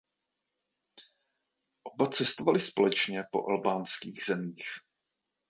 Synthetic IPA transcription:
ʔobat͡sɛst̪ovalɪspo̞lɛt͡ʃɲɛpo̞̰ʔalbaːnskiːɣz̥ɛmiːx

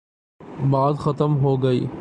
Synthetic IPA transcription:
baːd̪xɐt̪əmɦoːɡɐḭː

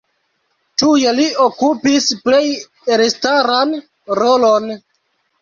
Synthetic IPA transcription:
tujeliokupisple̞j | ɾestaɾan | ɾolo̞n

